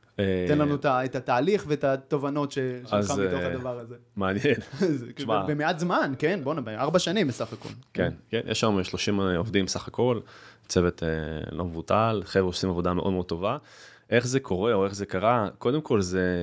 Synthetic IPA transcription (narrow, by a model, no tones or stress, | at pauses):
eenlanut̪aet̪at̪aːliχveet̪at̪o̞vano̞t̪ʃeʃazametoadavaʁazemeanjenzʃmabemeat̪zmankenbonabeaʁbaʃanĩmbesaχako̞̰lkenkenjʔɛ̰ʃameʃlo̞ʃimovdimbesaχako̞lt͡sevet̪ʰḛlomvutalχevosimavo̞d̪ameʔo̞d̪meo̞d̚to̞va | ʔe̞χzekʰo̞ʁe̞o̞e̞χzekaʁako̞d̪emkʰo̞lze